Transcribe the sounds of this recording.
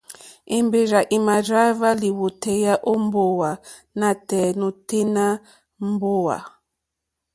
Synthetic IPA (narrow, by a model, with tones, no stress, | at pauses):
e˨mbe˨ɾa˨ʔi˨ma˨ɾa˦va˦li˨wo˨tɛ˨ja˦ʔo˦m˦bo˦˨wa˨ | na˨tɛ˨nu˨te˦na˦ | m˦bo˦wa̰˨